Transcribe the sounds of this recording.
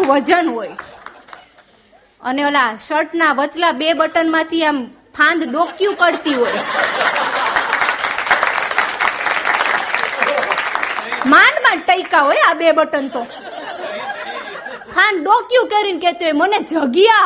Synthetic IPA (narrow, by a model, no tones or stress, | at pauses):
ʋəd͡ʒənɦoj | ə̰neəlaʃəɾʈnaʋət͡ʃlabebəʈənmãt̪ʰiem | pʰãnd̪ɗokjũkəɽt̪iɦoj | manmãʈəjkaɦojabebəʈənt̪õ | pʰãnd̪̚ɖokjũkeɾinket̪uɦojməned͡ʒʱəɡija